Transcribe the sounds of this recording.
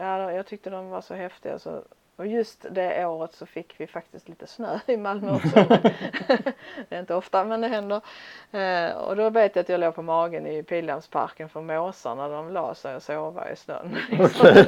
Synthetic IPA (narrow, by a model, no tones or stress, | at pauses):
jaːd̪jɑːɡt̪ʰʏk̚t̪əd̪ɔmvaʂɔɦɛft̪ɪɡa̰sɔ̰ | ɔjɵst̪d̪ɛʔoːɾət̪sɔfɪkːvɪfak̚t̪ɪst̪liːt̪əsnøːɪmalməsɔm | d̪̥ɛɾɪnt̪əɔft̪amɛnd̪ɛɦɛnd̪əɾ | ɔ̰d̪ɔveːt̪jaat̪jɑːloːvpʰɔmɑːɡənɪpʰiːlamspʰa̰ɾkənfœɾmoːsa̰naɖɔmlɑ̰ːsɛjɔsoːva̰ɪ̰snœ̰nːlɪksɔm